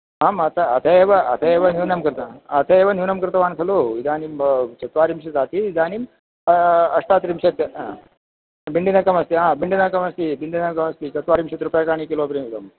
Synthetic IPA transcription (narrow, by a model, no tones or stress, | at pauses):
ɦaːmɐt̪ɐɐt̪ʰɐeːʋɐɐ̰t̪ʰɐeːʋɐnuːnɐmkɾt̪ʰɐɐt̪ʰɐeːʋɐnjunɐmkɾt̪ʰɐʋaːnkʰɐloid̪aːnimt͡ʃɐt̪ʋaːɾimʃɐd͡zaːt̪iid̪aːnim | ɐʂʈ̪aːt̪ɾimʃɐt̪ː | biɳɖinɐkɐmɐst̪iɦãːbiɳɖinɐkɐmɐst̪ibiɳɖinɐmkɐmɐst̪it͡ʃɐt̪ʋaːɾimʃɐt̪ɾupjakaːɳikiloːpɾimt̪ɐm